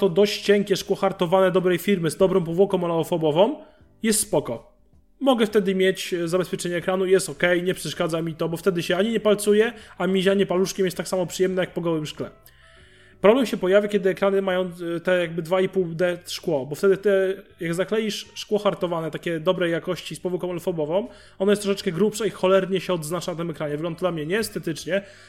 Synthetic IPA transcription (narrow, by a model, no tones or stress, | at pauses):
t̪ɔd̪ɔɕt͡ɕt͡ɕɛŋkʲɛʂkwɔxaɾt̪ɔvanɛd̪ɔbɾɛjfʲiɾmɘzd̪ɔbɾɔ̃w̃pɔvwɔkɔ̃w̃malaɔfɔbɔvɔ̃m | jɛst̪spɔkɔ | mɔɡɛft̪ɛd̪ɘmʲjet͡ɕzabɛspʲɛt͡ʂɛɲɛːkɾanuijɛst̪ɔkɛjɲɛpʂɛʂkad̪zamʲit̪ɔbɔft̪ɛd̪ɘɕɛaɲiɲɛpalt̪sujɛamʲiʑaɲɛpaluʂkʲɛmjɛst̪ːaksamɔpʂɘjɛmnɛjak̚pɔɡɔwɘmʂklɛ̰ | pɾɔblɛmɕɛpɔjavʲakʲɛd̪ɘɛkɾanɘmajɔ̃w̃t̪ɛjaɡ̚bɘd̪vaipuwd̪ɛt̪ʂkwɔbɔft̪ɛd̪ɘt̪ɘjaɡzaklɛjiʂʂkwɔxaɾt̪ɔvanɛt̪akʲɛd̪ɔbɾɛjakɔɕt͡ɕispɔvukɔ̃malfɔbɔvɔ̃m | ɔnɔjɛst̪ɾɔʂɛt͡ʂkɛɡɾupʂaixɔlɛɾɲɛɕɛɔd̪znat͡ʂant̪ɘmɛkɾaɲɛvɘɡlɔnd̪ad̪lamɲɛɲɛːst̪ɛt̪ɘt͡ʂɲɛ